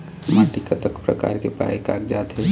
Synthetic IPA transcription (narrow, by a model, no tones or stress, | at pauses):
maʈikət̪əkpɾə̰ka̰ɾkepa̰eka̰ːkd͡ʒat̪ɦe